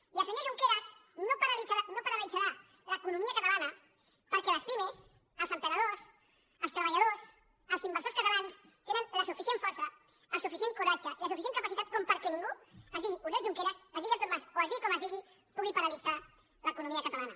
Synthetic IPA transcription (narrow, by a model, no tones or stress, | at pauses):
iləs̬əɲoɾʒuŋkeɾəznopəɾəlizaanopəɾəlid͡zaɾa | ləkunumiəkət̪alanə | pəɾkɛləspimes | əlˠsəmpənəðos | əlˠst̪ɾəβəʎað̞os | əlˠsimbəɾsoɾskət̪alans | t̪enənləsufisieɱfɔɾsəː | lˠsufisieŋkuɾad͡ʒəʔiləsufis̬eŋkəpasit̪at̪̚kɔmpəɾkɛnĩŋɡuəzðiɣiʔuɾðɛʒuŋkeɾəsazðiɣialt̪uɾmasoazðiikɔməzðiɣi | puɣipəɾəlid͡za | ləkunumiəkət̪alanə